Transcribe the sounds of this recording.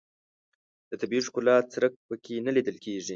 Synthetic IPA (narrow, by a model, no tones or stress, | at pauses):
d̪̥ət̪abiʂkʊlɑt͡sɾək̚pəkʰenalid̪əlkʰeʐi